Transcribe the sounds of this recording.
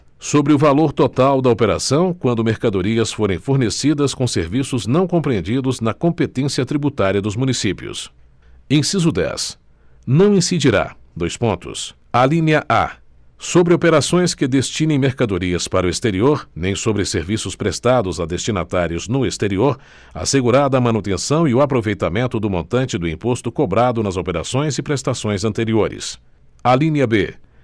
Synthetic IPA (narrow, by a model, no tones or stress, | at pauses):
sobɾɪʊvaloɾt̪ot̪awd̪ɐopeɾa̰sɐ̃w̃kwɐ̃nd̪ʊmeɾkad̪oɾiɐsfoɾẽj̃foɾnesid̪ɐskõseɾvisʊznɐ̃w̃kõmpɾiẽd͡ʒid̪ʊznɐkõmpet̪ẽsiɐt̪ɾibut̪aɾiɐd̪ʊzmũnisipiʊ̰s | ẽsizʊd̪ɛ̰s | nɐ̃w̃ĩsid͡ʒiɾa̰d̪ojspõnt̪ʊ̰s | alĩnjɐʔa̰ | sobɾɪopeɾasõj̃skɪd̪est͡ʃĩnẽj̃meɾkad̪oɾiɐspaɾɐʊest̪eɾioɾnẽj̃sobɾɪseɾvisʊspɾest̪ad̪ʊzad̪est͡ʃina̰t̪aɾiʊznʊest̪eɾioɾ | a̰seɡuɾad̪ɐːmɐ̃nut̪ẽsɐ̃w̃iʊapɾovejt̪amẽnt̪ʊd̪ʊmõnt̪ɐ̃nt͡ʃɪd̪ʊĩpost̪ʊkobɾad̪ʊnɐzopeɾa̰sõj̃zɪpɾest̪asõj̃zɐ̃nt̪eɾioɾɪ̰s | alĩniɐbḛ